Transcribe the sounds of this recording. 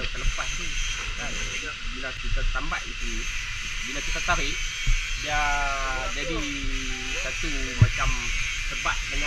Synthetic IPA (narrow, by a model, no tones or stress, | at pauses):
sələpa̰t̪̚t̪u | kanaabilakit̪at̪amba̰ʔit̪u | binak̪it̪at̪aɾɪʔ | ja | d͡ʒadi | kat̪imat͡ʃam | səpa̰t̪̚dəŋa